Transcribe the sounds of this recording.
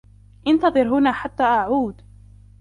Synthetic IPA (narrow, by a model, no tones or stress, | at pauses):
ʔɪnt̪ɑðˤɨɾɦʊnaːħat̪ːaːʔaʕuːd̪